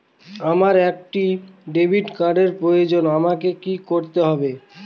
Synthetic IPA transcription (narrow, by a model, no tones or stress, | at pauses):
amaɾɛk̚ʈiɖebʱiʈkaɾɖeɾpɾojod͡ʑonamakekikoɾt̪eɦɔbe